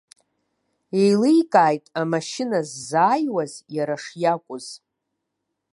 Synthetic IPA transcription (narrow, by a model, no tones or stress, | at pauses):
e̞jlejkʼaːjtʼamaʃɪnazːaːjwazjaɾaʂjakʷʼʊz̥